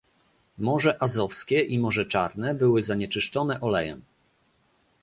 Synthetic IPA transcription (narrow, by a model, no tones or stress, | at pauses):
mɔʐɛʔazɔfskʲɛʔimɔʐɛt͡ʂaɾnɛbɘwɘzaɲɛt͡ʂɘʂt͡ʂɔnɛʔɔlɛjɛ̰m